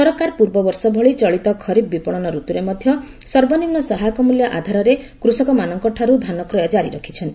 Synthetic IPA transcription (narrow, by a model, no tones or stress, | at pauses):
sɔɾɔkaɾpuɾbɔbɔɾsɔbʱɔɭit͡ʃɔɭit̪ɔkʰɔɾibbipɔɭ̃ɔnɔɾut̪uɾemɔd̪ʱjɔ | sɔɾbɔnimnɔsɔɦakɔmuljɔʔad̪ʱaɾɔɾekɾusɔkɔmanɔŋkɔʈʰaɾud̪ʱanɔkɾɔjɔd͡ʒaɾiɾɔkʰi̥t͡ʃʰɔnt̪i